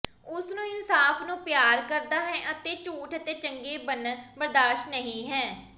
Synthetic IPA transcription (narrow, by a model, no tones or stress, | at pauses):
ʊsnũːɪnsaːfʰnũːpjaːɾkəɾd̪aːɦɛːʔət̪eːt͡ʃuːʈʰət̪eːt͡ʃəŋɡeːbənbəɾd̪aːʃnəɦĩːɦɛː